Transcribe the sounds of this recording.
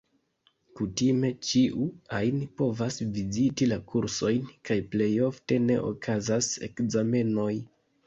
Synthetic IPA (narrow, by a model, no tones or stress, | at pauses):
kutime̞t͡ʃiʔuajnpo̞vasvizitilakuɾso̞jnkajple̞jo̞fte̞ne̞̰ʔo̰kʰazase̞̰kzame̞no̞j